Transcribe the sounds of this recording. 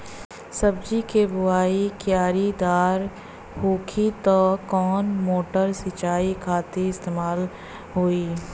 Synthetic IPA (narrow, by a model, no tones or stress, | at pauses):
sɐbd͡ʒikebʊaːikjaːɾid̪aːɾ | hoːkʰit̪ɔkɔːnmoːʈəɾsit͡ʃaːikʰaːt̪eɪst̪eːmaːl | ɦoːiː